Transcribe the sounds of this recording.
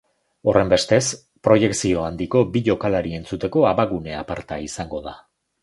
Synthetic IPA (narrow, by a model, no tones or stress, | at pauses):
o̞re̞mbe̞st̪e̞s | pɾo̞je̞ksio̞and̪iko̞biʎo̞kalaɾie̞nt͡sut̪e̞ko̞aβaɣune̞a̰paɾt̪aisaŋɡo̞ð̞a